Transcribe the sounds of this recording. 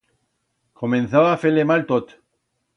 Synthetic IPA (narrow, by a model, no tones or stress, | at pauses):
kʰomẽnθaβafelemalt̪ot̪